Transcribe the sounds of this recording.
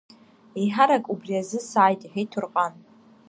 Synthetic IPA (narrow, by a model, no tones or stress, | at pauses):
ejħaɾakʼubriazɨsaːjtʼiħejtʰurqʼan